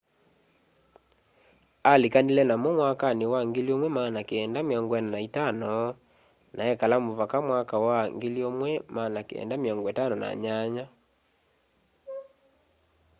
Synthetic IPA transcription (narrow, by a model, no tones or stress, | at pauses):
alekanilɛnamomwakanewaŋɡeliomwɛmaːnakeɛndamjɔŋɡɔɛnanaitanɔ | naɛkalamoβakamwakawaŋɡeliomwɛmaːnakḛɛ̰ndamjɔŋɡɔetanɔna̰ɲaɲa